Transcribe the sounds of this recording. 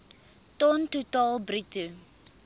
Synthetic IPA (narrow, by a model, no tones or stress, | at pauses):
tɔntutɑːlbritu